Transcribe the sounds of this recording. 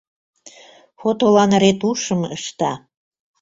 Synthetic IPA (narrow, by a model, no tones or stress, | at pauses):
xot̪olɑnəɾet̪uʃə̆məʃt̪ɑ